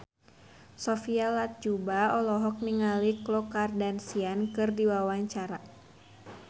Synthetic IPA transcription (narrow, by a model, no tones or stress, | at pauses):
sɔfialat̪̚d͡ʒubaɔlɔɦɔk̚niŋaliklɔkardansiankɨrdiwawaɲt͡ʃaɾa